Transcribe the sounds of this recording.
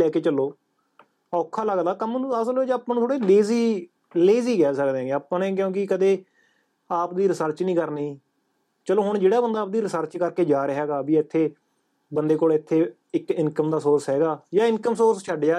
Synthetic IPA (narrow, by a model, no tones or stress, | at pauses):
ɛːkeːt͡ʃəloː | ɔːkʰːaːləɡd̪aːkəmñːəsəlːd͡ʒaːpːãːnũːt̪ʰoːɽeːleːziː | leːziːkɛːsək̚d̪eɛ̃ːeːaːpãːnẽːk̬jõːkɪkəd̪eː | aːp̚d̪iːɾɪsəɾt͡ʃnĩːkəɾniː | t͡ʃəloːɦʊɳd͡ʒeːɽaːbənd̪aːp̚d̪iːɾɪsəɾt͡ʃkəɾkeːd͡ʒaːɾɦɛːɡaːbiːɪt̪ʰːeː | bənd̪eːkoːlɪt̪ʰːeː | ɪkɪnkəmd̪aːsoːɾsɦɛːɡaːjãːɪnkəmsoːɾst͡ʃʰəɖjaː